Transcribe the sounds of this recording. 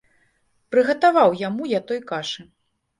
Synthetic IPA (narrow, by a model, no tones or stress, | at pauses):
pɾɨɣɐt̪avawjamujat̪ɔjkaʂɨ